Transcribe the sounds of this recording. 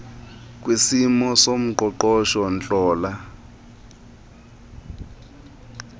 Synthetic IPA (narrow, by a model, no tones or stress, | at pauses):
k̬ʼwisimɔsom̩ǃɔǃɔʃɔnt͡ɬʼɔːla